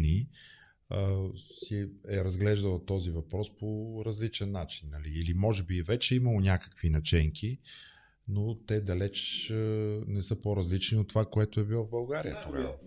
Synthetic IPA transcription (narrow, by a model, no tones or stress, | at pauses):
ni | siɛɾɐzɡlɛʒd̪əlˠət̪ɔzivɐpɾɔspoɾɐzlit͡ʃɛnːat͡ʃinːɐliːlimɔʒɛbiɛvɛt͡ʃɛiməlˠonʲakə̥kvinɐt͡ʃɛŋkʰi | not̪ɛd̪ɐlɛt͡ʃ | nɛsɤpoɾɐzlit͡ʃniot̪ːovakoɛt̪oɛbilˠɔvbɐlˠɡaɾijət̪oɡa̰və